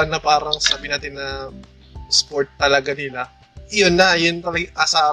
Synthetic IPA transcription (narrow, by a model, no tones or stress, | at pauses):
nɐpaːɾɐŋsaːbɪnaːt̪ɪnːɐ | spoɹt̪̚ːɐlɐɡanɪla | jonːɐjʊnt̪ɐlɐɡaʔɐsaː